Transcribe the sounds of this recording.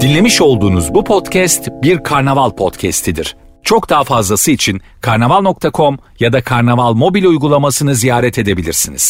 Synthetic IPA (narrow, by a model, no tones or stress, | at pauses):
d̪̥inlʲe̞miʃo̞lˠd̪uːnuzbupʰo̞t̪cʰɛst̪biɾkʰaɾnavalˠpʰo̞t̪cʰɛst̪ʰid̪iɾ̥ | t͡ʃʰo̞kd̪aːfazlˠasɯit͡ʃʰin | kʰaɾnavalˠno̞k̚t̪ʰakʰo̞m | jad̪akʰaɾnavalˠmo̞bilʲujɡulˠamasɯnɯzijaːɾɛt̪ʰe̞d̪e̞bilʲiɾsinḭz̥